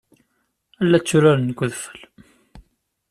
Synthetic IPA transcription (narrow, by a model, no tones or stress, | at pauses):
ælːæt͡sːʊɾaɾənɡʷʊðfə̥l